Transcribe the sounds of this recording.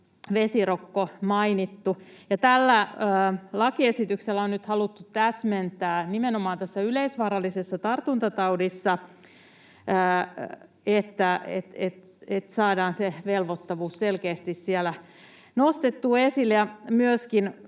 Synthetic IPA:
ʋesirokːomɑinit̪ːujɑt̪ælːæəːlɑkiesit̪ykselːæonnyt̪hɑlut̪ːut̪æsment̪æːnimenomɑːnt̪æsːæyleisʋɑːɾɑlːˑisesːɑt̪ɑrt̪unt̪ɑt̪ɑudisːɑ | əː | et̪ːæḛt̪et̪ | et̪sɑːdɑːnseʋelʋot̪ːɑʋuːsselkeːst̪issielæ | nost̪et̪ːuːesilːjɑmyøskin

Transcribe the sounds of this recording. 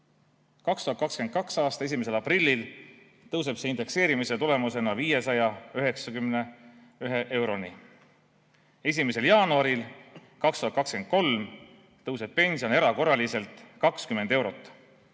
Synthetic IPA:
kɑkst̪uhɑt̪̚kɑksken̚kɑksɑːst̪ɑe̞s̬ʲime̞s̬e̞lɑprilʲːil | t̪ɤwse̞b̥seind̪̥e̞kse̞ːɾimiset̪ule̞muse̞nɑviːje̞sɑjɑøɦe̞ksɑkymne | yɦe̞ʔe̞wɾo̞ni | e̞sime̞se̞ljɑːnuɑɾil | kɑkst̪uhɑt̪̚kɑkske̞nd̪̚ko̞lm | t̪ɤwse̞b̥̚pe̞nʲsio̞ne̞ɾɑko̞rːɑlise̞lt̪ˑkɑkskyme̞nd̪̥e̞wɾo̞t̪ːˑ

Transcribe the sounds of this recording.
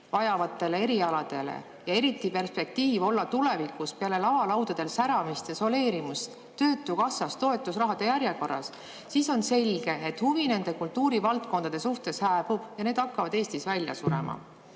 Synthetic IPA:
vɑjɑvɑt̪ːˑe̞lee̞ɾiɑlɑd̪̥e̞lḛ | jɑe̞ɾit̪ːˑipe̞rspe̞k̚t̪iːvo̞lːɑt̪ule̞vikuspeɑle̞lɑvɑlɑwd̪̥ɑd̪̥e̞lsæɾɑmist̪eso̞le̞ːɾimust̪ | t̪ːø̞ːt̪ːˑukɑsːɑst̪o̞e̞t̪ːˑusrɑɦɑd̪̥e̞jæɾjeko̞rːɑ̰s | siso̞nse̞lʲɡ̥e̞et̪ːhuvine̞nd̪e̞kult̪ːuːɾivɑlt̪̚ko̞nd̪ɑd̪̥e̞suht̪e̞shæːb̥ub̥jɑne̞ːd̪̥ɑkːɑvɑd̪̥e̞ːst̪isvælʲjɑ̰suɾḛmɑ̰

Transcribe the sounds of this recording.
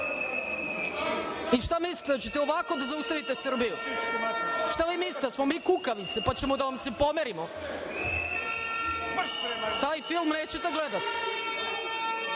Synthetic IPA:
iʃt̪amisli̥t̪d̪at͡ɕet̪ɛoʋako̞d̪azaust̪aʋit̪esr̩biju | ʃt̪aʋiːmislit̪smomiːkukaʋnit̪sepat͡ɕɛmod̪aʋamsepomeɾimo | t̪aːjfilˠmneːt͡ɕet̪eɡled̪at̪

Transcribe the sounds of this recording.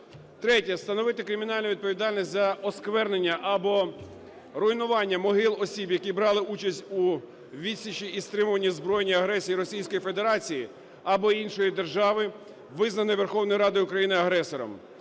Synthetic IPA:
t̪ɾɛtʲɐst̪ɐnɔʋɪt̪ɪkɾɪmʲin̪ɑlʲnʊʋʲid̪̚pɔʋʲid̪ɑlʲnʲisʲtʲzɐɔskʋɛrnenʲːɐʔɐbɔ | rɔinʊʋɑnʲːɐmɔɦɪlˠɔsʲibjɐkibɾɑlˠɪut͡ʃɐsʲtʲu | ʋʲid̪ʲsʲit͡ʃiːst̪ɾɪmʊʋɐnʲːizbɾɔjenʲːiɐɦɾɛsʲijiɾɔsʲijsʲkɔjife̞d̪eɾɑt͡sʲiji | ɐbɔinʃɔjid̪erʒɑʋɪ | ʋɪznɐnɪjʋerxɔwnɔjɾɑd̪ɪʊkɾɐjinɪɐɦɾɛsɔɾɔ̰m

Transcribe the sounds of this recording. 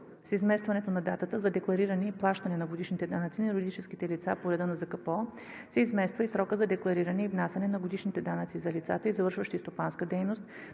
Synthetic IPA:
sizmɛst̪vɐnɛt̪onɐd̪at̪ət̪əzɐd̪ɛklˠɐɾiɾɐnɛiplˠaʃt̪ɐnɛnɐɡod̪iʃnit̪ɛd̪anət̪sinlɾʲɛd̪it͡ʃɛsk̟it̪ɛlit̪sapoɾɛd̪ənɐzɐkɐpɔ | sɛizmɛst̪vəisɾɔkəzɐd̪ɛklˠɐɾiɾɐnɛivnasʲɛnɛnɐɡod̪iʃnit̪ɛd̪anət̪sizɐlit̪sat̪əizɐvɤɾʃvəʃt̪ist̪opanskəd̪ɛjnost̪

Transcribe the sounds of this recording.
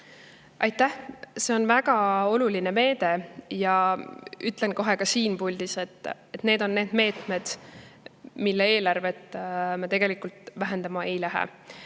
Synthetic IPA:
ɑjt̪ːˑæhse̞o̞nvæɡ̥ɑo̞luline̞me̞ːd̪̥e̞jɑʔyt̪ˑle̞nko̞ɦe̞kɑsiːnpulʲd̪̥ise̞t̪ːˑet̪ne̞ːd̪o̞nːe̞ːd̪me̞ːt̪me̞d̪̥ | milːee̞ːlɑrve̞t̪ːmɑt̪e̞ɡ̥e̞likult̪væɦe̞nd̪̥ɑmɑe̞jlæɦḛ

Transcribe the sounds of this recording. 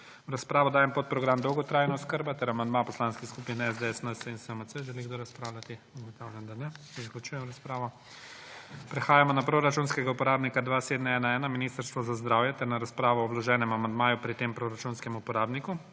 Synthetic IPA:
wɾaspɾaːʋɔd̪aːjɛmpot̪̚pɾɔɡɾamd̪ɔwɡɔt̪ɾaːjnaɔskəɾbat̪ɛɾamand̪mapɔslaːnskixskupinɛzd̪eɛsnəsəinsəməsəʒɛliɡd̪oɾaspɾaːwlʲjat̪i | uɡɔt̪awljand̪anɛ | zaklut͡ʃuːjɛmɾaspɾaːʋɔ | pɾɛxaːjamɔnapɾoɾat͡ʃunskɛɡaupɔɾaːbnikad̪ʋaseːd̪nɛɛːnaɛːnaminist̪əɾst̪ʋɔzazd̪ɾaːwjɛt̪ɛɾnaɾaspɾaːʋɔːwlɔʒɛːnɛmamand̪maːjupɾit̪empɾoɾat͡ʃunskɛmupɔɾaːbniku

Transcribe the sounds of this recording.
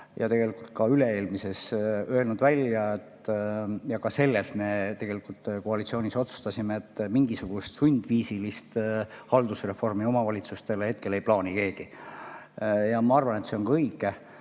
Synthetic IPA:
jɑt̪e̞ɡ̥e̞likult̪̚kɑyle̞e̞ːlmise̞sø̞e̞lnud̪vælʲjɑet̪jɑkɑse̞lːesme̞t̪e̞ɡ̥e̞likult̪ːˑkoɑlit̪sio̞ːniso̞t̪su̥st̪ɑsʲimeːt̪ːmiŋɡisuɡ̥ust̪sunʲd̪̥viːsilist̪hɑld̪usre̞fo̞rmio̞mɑvɑlʲit̪sust̪e̞lehe̞t̪̚ke̞le̞jplɑːnike̞ːɡ̥i | jɑmɑɑrvɑnet̪se̞onkɤjkˑe

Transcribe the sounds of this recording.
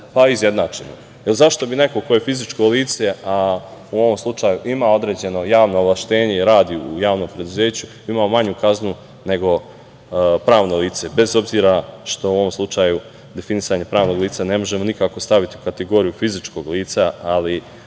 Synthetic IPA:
paizje̞d̪naːt͡ʃeno | jelzaʃt̪o̞bine̞ko̞ko̞je̞fizit͡ʃko̞liːt̪se̞auo̞ʋo̞mslˠut͡ʃaːjuʔimao̞d̪ɾe̞ːd͡ʑe̞no̞jaːʋno̞ːvlaʃt̪e̞ːɲe̞iɾaːd̪iujaːʋno̞ːmpɾe̞d̪uze̞ːt͡ɕu | imaːomaɲukaznu | ne̞ɡo̞ | pɾaːʋno̞liːt̪se̞be̞zo̞bziːɾaʃt̪o̞uo̞ʋomslˠut͡ʃaːju | d̪e̞finisaːɲepɾaːʋno̞ːɡliːt̪sane̞mo̞ʒe̞mo̞nikaːko̞st̪aʋit̪iukat̪eɡo̞ːɾijufizit͡ʃko̞ɡliːt̪saali

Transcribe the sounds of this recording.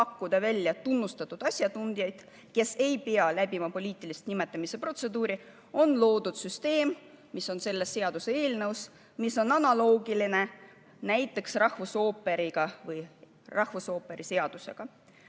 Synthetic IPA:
ɑkːud̪̥ɑvælʲjɑt̪unːust̪ɑt̪ːˑud̪̥ɑsʲjɑt̪und̪̥jɑjd̪̥ | ke̞se̞jpeɑlæb̥imɑpo̞lʲiːt̪ːˑilist̪nime̞t̪ːˑɑmise̞pro̞t̪se̞d̪uːɾi | o̞nlo̞ːd̪ud̪̥syst̪e̞ːmmiso̞nse̞lːesːe̞ɑd̪̥usee̞ːlnɤws | miso̞nɑnɑlo̞ːɡiline̞ | næjt̪ːˑe̞ksrɑhvuso̞ːpːe̞ɾiɡ̥ɑvɯj | rɑhvuso̞ːpːe̞ɾʔise̞ɑd̪̥use̞̰ɡ̥ɑ

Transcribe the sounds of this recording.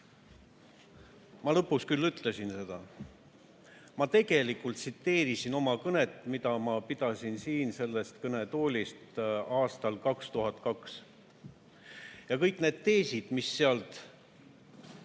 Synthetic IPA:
mɑlɤpːˑuskylːyt̪ˑle̞sinse̞d̪̥ɑ | mɑt̪e̞ɡ̥e̞likːˑult̪sit̪ːe̞ːɾisino̞mɑkɤne̞t̪ːˑmid̪ɑmɑpid̪̥ɑsinsiːnse̞lːe̞st̪kɤne̞t̪o̞ːlʲist̪ɑːst̪ɑlkɑkst̪uɦɑt̪ˑkɑks | jɑkɤjkːˑne̞ːd̪̥t̪e̞ːsid̪̥misːe̞ɑlt̪

